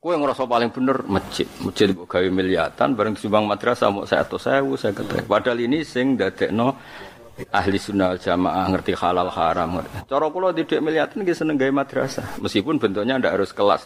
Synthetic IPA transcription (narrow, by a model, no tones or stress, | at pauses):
kuwɛŋɾɔsɔpalɪŋb̥ənərmət͡ʃɪ̰ʔmət͡ʃɪt̪̚boʔɡ̥awiməlia̰t̪a̰nbaɾəŋd̪i̥sumbaŋmad̪̥əɾasa̰mɔ̰ʔsa̰ja̰t̪ɔsaawusajakət̪a̰ipad̥alinisɪŋdad̪̥ɛʔnɔ | aɦlisunald͡ʒ̥ama̰ʔahŋərt̪ihalalha̰ɾamŋə̰rt͡ʃɔɾɔkulɔd̪id̥ɛʔməliat̪anɡisənəŋɡaimad̪̥ɾa̰saməskipʊnbənt̪̬ʊʔɲandaʔɦaɾʊskəla̰s